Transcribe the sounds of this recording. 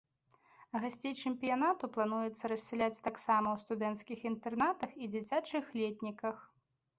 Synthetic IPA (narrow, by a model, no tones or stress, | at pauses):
ɣasʲt͡sʲejt͡ʂɨmpʲijanat̪uplˠanujɛt̪sːɐɾɐsʲːɛlʲat͡sʲt̪aksamɐwst̪ud̪ɛnt̪skʲixint̪ɛrnat̪ɐxid͡zʲit͡sʲat͡ʂɨxlʲɛt̪ʲnʲikɐx